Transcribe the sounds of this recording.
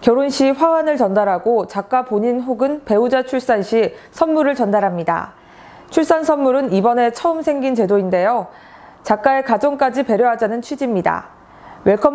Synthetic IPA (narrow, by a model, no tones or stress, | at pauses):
kjʌɾonɕʰiɸwawanɯɭt͡ɕʌndaɾɦaɡot͡ɕak̚k͈apoɲinɦoɡɯnpe̞ud͡ʑat͡ɕʰuɭs͈anɕʰisʰʌnmuɾɯɭt͡ɕʌndaɾɦamɲida̰ | t͡ɕʰuɭs͈ansʰʌnmuɾɯnibʌne̞t͡ɕʰʌɯmsʰe̞ŋɡint͡ɕe̞doinde̞jo | t͡ɕak͈̚aekad͡ʑʌŋk͈ad͡ʑipe̞ɾjoɦad͡ʑanɯnt͡ɕʰwid͡ʑimɲida̰ | we̞ɭkʰʌ